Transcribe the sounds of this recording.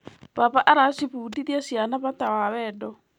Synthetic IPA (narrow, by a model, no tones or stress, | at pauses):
βaβaʔaɾasiβuːdiðiasianaβatawawɛːdɔ